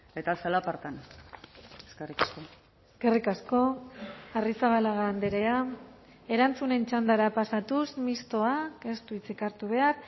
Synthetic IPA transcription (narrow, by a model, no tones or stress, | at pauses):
et̪asalapaɾt̪an | eskerikasko | eskerikasko̞arisaβ̞alaɣaːnd̪eɾe̞a | e̞ɾant͡sune̞nt͡ʃand̪aɾapasat̪usmist̪o̞ake̞st̪uit͡sikaɾt̪uβ̞e̞ar